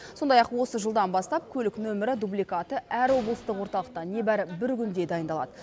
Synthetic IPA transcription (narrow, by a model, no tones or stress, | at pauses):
so̞nd̪ɑjɑqwo̞səʒəlˠd̪ɑnbɑst̪ɑp̚kʲʰɵlɪknɵmɪɾɪd̪ublijkɑt̪əʔæɾwo̞blˠəst̪əqwoɾt̪ɑlˠəq̚t̪ɑne̞bæɾɪbɪɾɡʲʰʏnd̪e̞d̪ɑjənd̪ɑlˠɑ̰d̪ə